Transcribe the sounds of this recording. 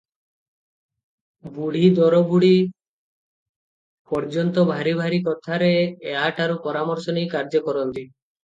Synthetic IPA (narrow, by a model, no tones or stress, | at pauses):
buɽ̤id̪ɔɾɔbuɽ̤i | pɔɾd͡ʒɔnt̪ɔbʱaɾibʱaɾikɔt̪ʰaɾeːaʈaɾupɔɾamɔɾsɔnijkaɾd͡ʒɔkɔɾɔnt̪i